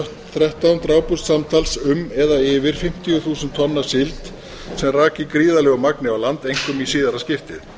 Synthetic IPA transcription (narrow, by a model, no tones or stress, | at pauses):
ht̪θɾɛht̪awnt̪ɾaːwpust̪samt̪ʰalsʏmɛðaɪːvɪɾ̥fɪm̥t̪iɣʏθuːsʏnt̪ʰːɔnːḁsɪlt̪ | sɛmraːcɪkɾiːðalɛɣʏmaknɪawlant̪ejŋ̥kʏmisiːðaɾascɪft̪ɪð